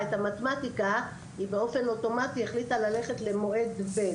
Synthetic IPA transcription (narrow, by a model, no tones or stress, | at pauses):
etamat̪matika | hibe̞o̞fe̞no̞to̞matieχlitalale̞χe̞tle̞mo̞ʔe̞dbe